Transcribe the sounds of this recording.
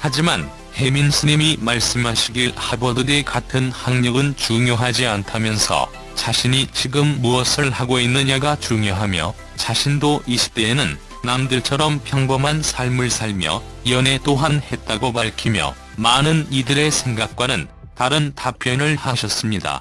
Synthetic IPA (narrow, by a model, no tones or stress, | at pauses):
had͡ʑiman | he̞minsʰɯɲimimaɭs͈ɯmɦaɕʰiɡiɭhabʌdɯdekatʰɯnhaŋɲʌɡɯnt͡ɕuŋjoɦad͡ʑiantʰamjʌnsʰʌ̰ | t͡ɕaɕʰiɲit͡ɕiɡɯmːuʌsʰɯɭhaɡoinːɯɲaɡat͡ɕuŋjoɦamjʌ̰ | t͡ɕaɕʰindoʔiɕʰi̥p̚t͈e̞ːnɯnː | amdɯɭt͡ɕʰʌɾʌmpʰjʌŋbʌmɦansʰaɭmɯɭsʰaɭmjʌ̰ | iʌne̞t͈oɦanhe̞t̚t͈aɡopaɭkʰimjʌ̰ | manɯnidɯɾe̞sʰe̞ŋɡak̚k͈wanɯn | taɾɯntap͈jʌnɯɭhaɕʰʌs͈ɯmɲida̰